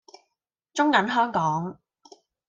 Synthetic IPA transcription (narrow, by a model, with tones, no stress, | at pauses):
t͡ʃʊ˥ŋkɐ˨˥nɦœː˥ŋkɔː˨˥ŋ